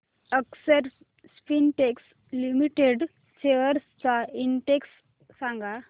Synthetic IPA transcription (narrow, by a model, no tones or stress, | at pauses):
əksəɾ | spinʈeks | limiʈeɖ | t͡ɕeʋəɾst͡sainʈeksː | ãŋɡa